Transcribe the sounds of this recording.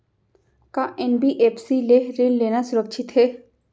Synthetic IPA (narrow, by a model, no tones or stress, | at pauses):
kaʔenbiʔeːpʰsileɾilleːnasʊɾəkʃʰɪt̪ɦeː